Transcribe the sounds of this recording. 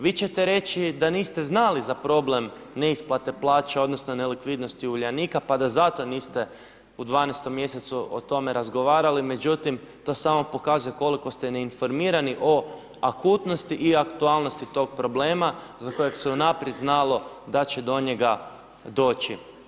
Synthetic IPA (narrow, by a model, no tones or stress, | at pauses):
ʋiːt͡ɕe̞t̪eɾe̞t͡ʃid̪aniːst̪e̞znalizapɾo̞ble̞m | ne̞isplˠat̪e̞plˠaːt͡ʃeo̞d̪no̞snone̞likʋid̪no̞st̪iuʎaniːkapad̪azat̪o̞niːst̪e | ud̪ʋaːnest̪o̞mːje̞set̪suʔo̰t̪o̞me̞ɾazɡo̞ʋaːɾalime̞d͡ʒut̪im | t̪o̞samo̞po̞kazuje̞ko̞liko̞st̪ene̞info̞ɾmiːɾaniʔo̞ | akuːt̪no̞st̪iʔiakt̪ualˠno̞st̪it̪o̞ɡ̚pɾo̞ble̞ːmazako̞jekseunapɾjed̪znalo̞ | d̪at͡ɕed̪o̞ɲe̞ɡa | d̪o̞ːt͡ʃi